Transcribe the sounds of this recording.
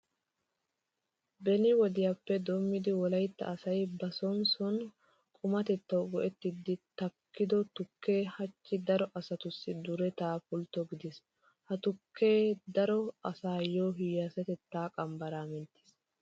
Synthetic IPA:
bɛnɪwɔd̪ɪjapːɛd̪oːmːɪd̪ɪwɔlɐjt̪ːɐ̰ːsɐjbɐsɔnsɔn | kʼʊmɐt̪ɛt̪ːɐwɡɔʔɛt̪ːɪd̪ːɪt̪ɐkːɪd̪ɔt̪ʊkʰːe̞ːhɐt͡ʃːɪd̪ɐɾɔʔɐsɐt̪ʊsːɪd̪ʊɾɛt̪aːpʊlt̪ːɔɡɪd̪ɪs | hɐt̪ʊkʰːe̞ːd̪ɐɾɔɐsaːjoːɦɪjasɛt̪ɛt̪ːaːkʼɐmbɐɾaːmɛnt̪ːɪ̥s

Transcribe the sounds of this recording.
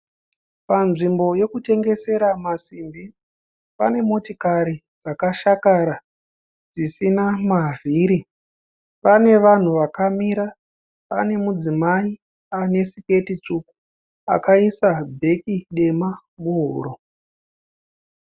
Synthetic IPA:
panʐimbo̞je̞kute̞ŋɡe̞se̞ɾamasimbi | pa̰ne̞motikaɾi | d͡zakaʃakaɾa | d͡zisinamavʱiɾi | pane̞ʋan̤uʋakamiɾa | pa̰ne̞mud͡zimai | ane̞sike̞tit͡ʂuku̥ | a̰kaisabʱe̞kiɗe̞ma | ɓuɦṵːɾo

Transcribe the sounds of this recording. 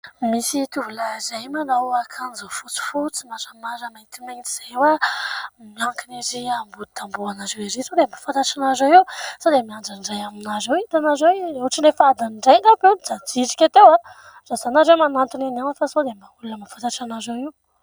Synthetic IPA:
misit̪uvulazajmanawakʰanzofut͡si̥fut͡simaɾəmaɾəmat̪imant̪i̥z̥ewa | miaŋkiniziambud̪̥ambuanazeweɾisod̪emafant̪aʈ͡ʂanazawiwsod̪emiaɳɖ͡ʐaɳɖ͡ʐajaminazewit̪anazeweuʈ͡ʂinefad̪anɳɖ͡ʐajŋɡapend͡zad͡ziʈ͡ʂi̥kʲat̪ewa | z̥azanazewmanant̪unananəfasod̪embaulunəmafat̪aʈ͡ʂanazawiw

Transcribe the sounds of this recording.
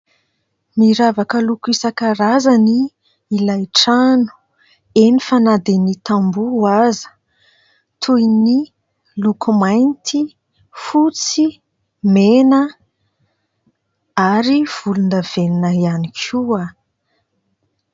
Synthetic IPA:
niɾavakəlukuisakəɾazaniː | lajʈ͡ʂanu̥ | enifanad̪enit̪ambuazə̥ | t̪ʰujni | lukumajnt̪i | fut͡si | menə | aɾiv̥ulund̪əv̥eninəianikʰua

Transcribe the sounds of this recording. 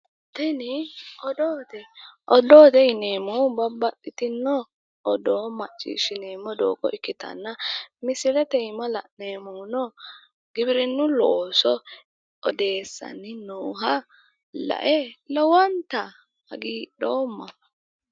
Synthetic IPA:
t̪ɛnɪʔɔd̪oːt̪ɛʔɔd̪oːt̪ɛɪneːmɔbɐbːɐtːɪt̪ɪnːɔ | ʔɔd̪oːmɐt͡ʃʼːḭːʃɪneːmːɔd̪o̰ːkɔ̰ʔɪkːɪt̪ɐ̰nːɐmɪsɪlɛt̪ɛjmɐlɐ̰ʔneːmunɔ | ɡɪbɪɾɪnːʊloːsɔ | ɔd̪e̞ːsːɐ̰nːɪnoːɦɐ | lɐ̰ʔɛlɔwɐnt̪ɐ | hɐɡiːɗoːmːɐ

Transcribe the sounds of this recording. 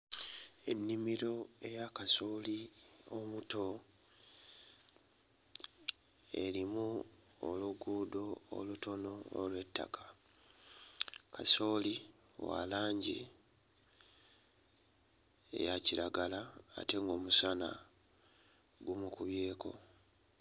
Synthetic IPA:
e̞̰nːimiɾo̞e̞jakaso̞ːliomuto̞ | e̞̰ɾimu | o̰luɡuːdo̞̰ːluto̞no̞ːlwe̞tːa̰kḁ | kaso̞li | wa̰laːɲɟḭ | ḛjaciɾaɡala̰ːte̞ŋɡo̞ːmusana̰ | ɡumukuβje̞ːkʰo̞̰

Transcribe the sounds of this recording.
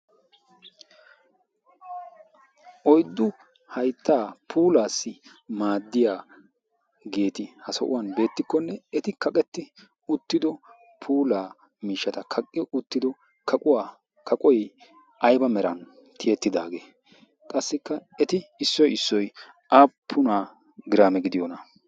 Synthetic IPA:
ʔɔjd̪ːʊ | hɐjt̪ːaːpʰuːlaːsːɪ | maːd̪ːɪjaː | ɡe̞ːt̪ɪhɐsɐ̰ʔʊ̰wɐnbe̞ːt̪ːɪkːɔnːɛɛt̪ɪkɐkʼɛt̪ːɪ | ʊt̪ːɪd̪ɔ | pʰuːlaː | miːʃːɐt̪ɐkʰɐkʼːɪʊt̪ːɪd̪ɔ | kʰɐkʼʊwaː | kʰɐkʼɔj | ʔɐjbɐmɛɾɐn | t̪ʰɪjɛt̪ːɪd̪aːɡe̞ː | kʼɐsːɪkːɐɛt̪ɪɪsːɔjɪsːɔj | ʔaːpʰːʊnaː | ɡɪɾaːmɛɡɪd̪ɪjɔnɐ

